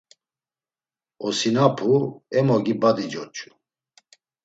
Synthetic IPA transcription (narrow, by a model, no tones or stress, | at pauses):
ɔsinapʰuɛmɔɡibad̪id͡ʒɔt͡ʃʼu̥